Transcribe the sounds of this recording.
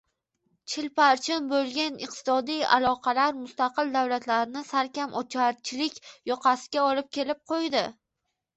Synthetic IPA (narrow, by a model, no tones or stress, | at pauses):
t͡ʃʰɪlpaɾt͡ʃʰɪnbolˠɡʲanɨq̚t̪ɪ̥sɒd̪ija̰lˠɒqʰɑlaɾmʊst̪ɑqɨlˠd̪awlat̪laɾnɪsaɾkʲamʔɒt͡ʃʰaɾt͡ʃʰɪlɪkʲjɒqʰɑsɪ̥ɡʲaɒlɪp̚kʲelɪp̚qʰojd̪ɪ